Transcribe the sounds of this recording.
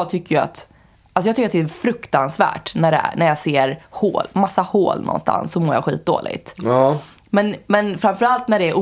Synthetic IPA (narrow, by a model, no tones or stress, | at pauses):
ɡt̪ʰʏkːəjɵa̰t̪ | alsɔjɑɡt̪ʏkːɾat̪d̪ɛːfɾɵkt̪ansvæ̰ːʈnæɖɛæ̰næɾjɑseːɾho̰ːlmasːaho̰ːlnɔ̰nst̪ʰa̰nsːɔmɔːɾja̰ɧḭːt̪̚d̪o̰ːlɪ̰ɡt̪ | mɛnmɛnfɾamfœɾalt̪næɖɛːɾʔu